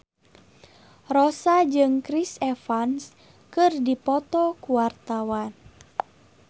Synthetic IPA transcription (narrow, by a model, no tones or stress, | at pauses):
rɔsad͡ʒɨŋkɾisɛfans | kɨrdipɔt̪ɔkuwart̪awan